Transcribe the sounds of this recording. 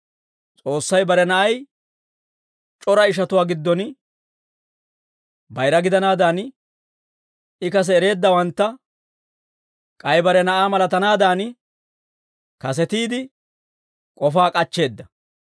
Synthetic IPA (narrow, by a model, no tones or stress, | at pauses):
t͡sʼo̞ːsːɐjbɐɾɛnɐʔɐj | t͡ʃʼɔɾɐɪʃ̬ɐt̪ʊwaːɡɪd̪ːɔn | bɐjɾɐɡɪd̪ɐnaːd̪aːn | ɪkɐs̬ɛːɾe̞ːd̪ːɐwɐnt̪ːɐ | kʼɐjbɐɾɛnɐʔaːmɐlɐt̪ɐnaːd̪aːn | kɐs̬ɛt̪iːd̪ɪ | kʼɔfaːkʼɐt͡ʃːe̞ːd̪ːɐ